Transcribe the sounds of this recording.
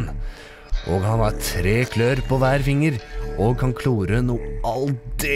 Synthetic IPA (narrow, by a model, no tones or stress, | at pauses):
n | ʔoːɡhɑnhɑɾt̪ʰɾeːkʰløːɾpʰɔʋæːɾfɪŋəɾʔoːɡ̚kʰɑnkʰluːɾənuːɑl̚d̪ɛ